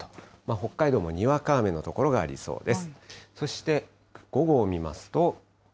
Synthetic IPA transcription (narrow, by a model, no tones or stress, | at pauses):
omaɦo̞kːaid̪oːmo̞ɲ̟iβakaːme̞nːo̞t̪o̞ko̞ɾo̞ɡa̰ːɾʲḭso̞̰ːd̪e̞sɨ̥so̞ɕi̥t̪e̞ | ɡ̥o̞ɡo̞ːmʲima̰sɨ̥t̪o̞